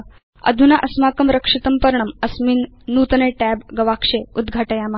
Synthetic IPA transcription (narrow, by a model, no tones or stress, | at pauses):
ə̰d̪ʱunaʔɐsmakəmɾəkʂit̪əmpəɾɳəməsminː | ut̪əneʈæbɡəʋakʂeud̪ɡʱaʈəjama